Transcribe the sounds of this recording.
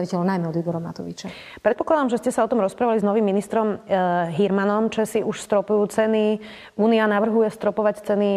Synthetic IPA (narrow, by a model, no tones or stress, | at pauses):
aʋicɛʎɔʊnajmɛɔd̪ibɔɾɔma̰t̪ɔʋḭt͡ʃa | pɾɛt̪pɔ̥klad̪amʒɛscɛsaɔt̪ɔmɾɔspɾaːʋaliznɔʋimːinist̪ɾɔmɦiɾmanɔmt͡ʃɛsiuʃst̪ɾɔpujuːt͡sɛni | uːnianaʋr̩ɦujɛst̪ɾɔpɔʋact͡sɛni